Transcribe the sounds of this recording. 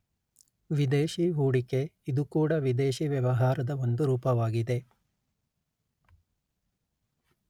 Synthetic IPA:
ʋid̪eːʃiɦuːɽike̞id̪ukuːɽɐʋid̪eːʃiʋjɐʋɐɦaːɾɐd̪ɐo̞nd̪uɾuːpɐʋaːɡid̪e̞

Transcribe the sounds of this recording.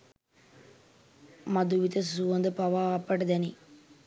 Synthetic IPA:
mɐd̪uʋit̪ɐsuʋɐnd̪əpɐʋaːpːɐʈɐd̪ɛni

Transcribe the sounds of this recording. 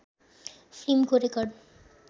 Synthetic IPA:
fɾimkoɾekɔɖ

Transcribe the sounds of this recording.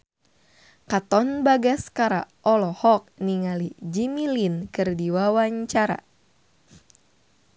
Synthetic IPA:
kat̪ɔnbaɡaskaɾa̰ʔɔlɔhɔk̚niŋalid͡ʒimilinkɨrdiwawaɲt͡ʃaɾa̰

